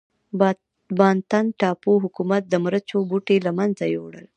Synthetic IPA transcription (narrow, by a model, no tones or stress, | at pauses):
bɑnt̪anʈɑpoɦʊkumat̪̚d̪əmɾət͡ʃobuʈelamanzajo̰wɽəl